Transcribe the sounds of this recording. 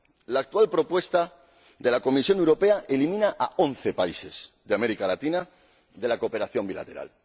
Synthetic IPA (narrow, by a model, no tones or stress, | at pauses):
laːk̚t̪ualpɾo̞pwe̞st̪a | ðe̞lako̞misjo̞newɾo̞pe̞aʔelimĩnaʔaonθepaise̞z̥ðeameɾikalat̪ina | ðe̞lakope̞ɾaθjo̞mbila̰t̪e̞ɾa̰l